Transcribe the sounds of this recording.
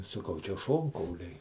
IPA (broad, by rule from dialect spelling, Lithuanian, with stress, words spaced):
sɐˈkɐʊ t͡ʃʲɛ ˈʃoːŋkɐʊlʲɛɪ